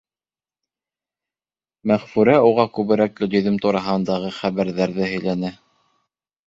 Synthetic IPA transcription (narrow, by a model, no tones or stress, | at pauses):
mæʁfʉɾæuʁɑkʉβɘ̆ɾæk̚lɵ̆lɵ̆ðɘmt̪uɾɑɦɤ̆nd̪ɑʁɤχæβæɾðæɾðɘɦɵ̆jlænɘ